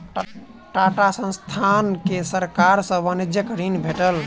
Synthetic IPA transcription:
ʈaʈasə̃st̪ʰankesəɾkaɾsə̃ʋənid͡ʒjəkɾinbʱeʈəl

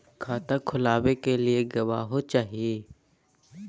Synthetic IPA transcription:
kʰaːt̪akʰʊlaːʋekelieɡɐʋaːɦot͡ʃaːɦieː

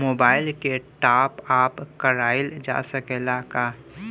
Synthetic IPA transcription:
moːbaːɪlkeʈaːpaːpkɐɾaːɪld͡ʒa̰ːsəkelaːkaː

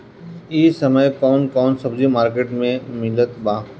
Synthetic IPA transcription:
iːsɐməjkɔːnkɔːnsɐbzimaːɾkeːʈmẽmɪlət̪baː

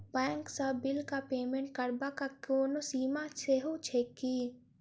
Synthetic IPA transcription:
bɛ̃ːŋksabɪlkapeːmẽɳʈ̚kəɾbakakoːnosiːmat͡ʃeɦot͡ʃʰeki

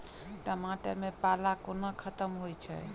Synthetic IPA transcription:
ʈəmaʈə̰ɾmepalakonəkʰət̪əmɦojt͡ʃʰɛ̰

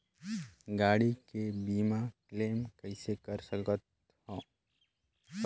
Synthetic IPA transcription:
ɡaːɽikebiːmakleːmkəɪsekəɾsəkət̪̚ | hõː

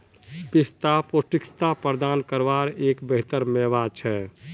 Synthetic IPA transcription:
pist̪apoʈikst̪apəɾəd̪ankəɾʋaɾeːkbəɦt̪əɾmɛʋat͡ʃʰɛ

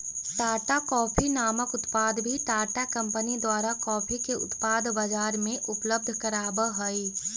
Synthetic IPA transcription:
ʈaːʈakɔːpʰinaːməkʊt̪paːd̪bʱiʈaːʈakɐ̃mpənid̪waːɾakɔːpʰikeʔʊ̰t̪paːd̪ʱbəd͡ʒaːɾmẽʔʊpləb̚d̪ʱkəɾaːbəɦoi

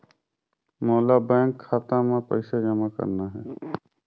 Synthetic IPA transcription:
moːlabɛ̃ːŋkʰːaːt̪ãmẽpəɪsad͡ʒɐmakə̰ɾnaɦɛː

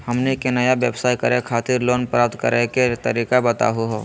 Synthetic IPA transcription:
hɐmnekenɐjaʋeːbsaːikɐɾekʰaːt̪ɪɾloːnpɾaːp̚t̪kəɾeket̪əɾiːkabɐt̪a̰ɦuɦoː

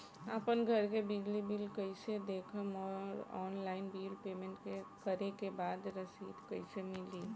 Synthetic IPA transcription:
apənɡʱəɾkebɪɡlibilkəɪsed̪ekʰəmɔːɾɔːnlaːɪnbilpeːmẽɳʈkekəɾekebaːd̪ɾəsiːd̪kəɪsemɪliː

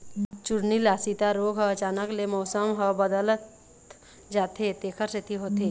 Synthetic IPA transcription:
t͡ʃʊɽnilaːsit̪aɾoːɡʱɦəət͡ʃaːnəklemɔːsəmɦəbəd̪ələt̪ | d͡ʒaːt̪et̪eːkʰəɾset̪ʰiɦoːt̪eː

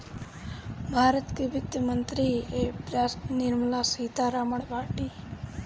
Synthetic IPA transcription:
bʱaːɾət̪kibɪkt̪əmənt̪ɾiepɾasnɪɾmlasit̪aɾaməɳpaːʈiː

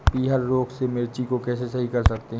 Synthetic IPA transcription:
piːɦəɾːoːksemɪɾt͡ʃikokɛːs̬esɐɦikɐɾsɐkt̪eɦ

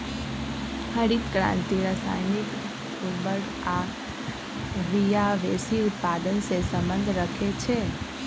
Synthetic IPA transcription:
həɾit̪kɾã̰nt̪iɾəsa̰jnik | ubəɾ | a | ʋijaʋesiut̪̚pad̪ənsesəmbənd̪ʱɾəkʰet͡ʃʰe

